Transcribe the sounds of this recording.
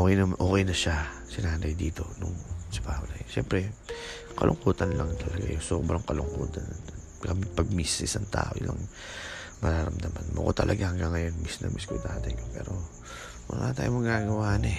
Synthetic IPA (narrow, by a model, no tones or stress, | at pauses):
ʔoːkɛjnɐmʔoːkɛjnɐʃa | sɪnaːnd̪ɐjd̪iːt̪o̞nʊŋsɪbaːholɐʃɛmpɾɛ | kɐlʔʊŋkuːt̪ɐnlɐŋt̪ʰɐlɐɡajosoːbɾɐŋkɐlʊŋkuːt̪ɐnɐ | kɐmɪpɐɡ̚misɪsɐŋt̪a̰ːʔo̰ʔɪ̰lʔa̰ŋ | mɐɾaɾɐmd̪ɐmanmo̰kot̪ɐlʔɐɡahɐŋɡaŋːɐjonmisnɐ̰mʔiskʊjt̪aːt̪ɪjkopɛːɾo̞ | mʊ̰nat̪aːjomɐɡaːɡɐwaːʔɐnɛ